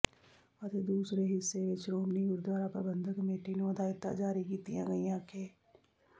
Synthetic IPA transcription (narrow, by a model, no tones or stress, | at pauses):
ət̪ed̪uːsɾeɦɪsːeʋɪt͡ʃɾoːmniʊɾd̪ʋaːɾapɾa̰bə̃nd̪ʱəkəmeːʈinoɐd̪ʱaːɪt̪ːa̰d͡ʒaːɾikiːt̪ijã̰ɡɐijãkʰeː